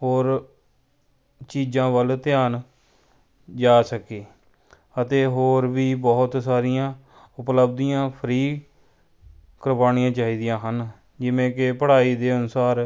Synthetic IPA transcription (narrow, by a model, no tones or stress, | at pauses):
ɦoːɾ | t͡ʃiːd͡ʒãːʋəlt̪ɪjaːn | d͡ʒaːsəkeː | ət̪eːɦoːɾʋiːbɔːʊt̪saːɾɪjãː | ʊpləb̚d̪ijãːpʰəɾiː | kəɾbaːnijãːt͡ʃaːiːd̪ijãːɦən | d͡ʒɪʋẽːkɪpəɽ̤aːiːd̪eːənʊsaːɾ